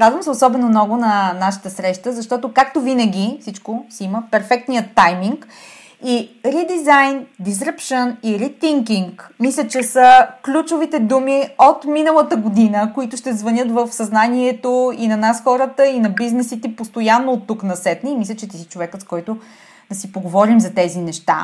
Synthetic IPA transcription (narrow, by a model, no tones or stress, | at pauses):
ɾad̪vəmsɛosɔbɛnomnɔɡʊnɐnaʃi̥t̪əsɾɛʃt̪əzɐʃt̪ɔt̪okak̚t̪ovinəɡʲifsit͡ʃkosiiməpɛɾfɛk̚t̪nijət̪ːajmiŋk | iɾid̪izajnd̪is̬ɾəpʃəniɾit̪iŋkiŋkmislʲət͡ʃɛsəklʲut͡ʃovit̪ɛd̪umiot̪minəlˠət̪əɡod̪inəkoit̪ʊʃt̪ɛzvɐnʲɤt̪vəfsɐznaniɛt̪oinɐnasxɔɾət̪əinɐbiznɛsit̪ɛpost̪ojanːoːt̪ːuknɐsɛt̪niːmislʲət͡ʃɛt̪isit͡ʃovɛkət̪skɔjt̪ʊ | d̪ɐsipoɡovɔɾimzɐt̪ɛzinɛʃt̪a̰